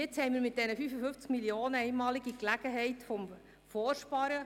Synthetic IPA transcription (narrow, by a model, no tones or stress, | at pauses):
ɪt͡shɛɪmiːɾmɪt̚d̥ɛnəfyːfəfʏnft͡skmilioːnəɛɪnmɑːliɡiklæɡ̥əɦɛɪtfɔm | fɔːrʃpɑɾə